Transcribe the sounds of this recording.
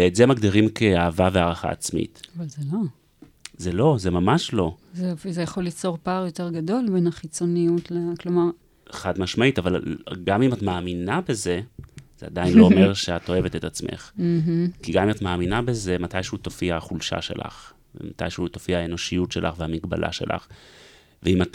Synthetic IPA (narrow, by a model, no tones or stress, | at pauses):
eetzemaɡdiʁimkʰeaːvaveaʁaχa̰ːt͡smḭtavalzelo̞ | zelo̞ze̞mamaʃlo̞zefzejaχo̞lit͡so̞ʁpaːʁjo̞te̞ʁɡado̞lbe̞naχit͡so̞nijutleklo̞maʁ | eχadmaʃmaitavalɡamimatmaːminabe̞ze̞z̥ea̰dajinloːme̞ʁʃeato̞e̞ve̞tetat͡smʔe̞̰χm̩ɦ̩kiɡamimatmaːminabe̞ze̞matajʃehutofiahaχulʃa̰ʃe̞̰lʔa̰χ | vemata̰jʃeutofiaaeno̞ʃijutʃe̞lʔa̰χvehamiɡba̰lʔa̰ʃe̞̰lʔa̰χ | veimat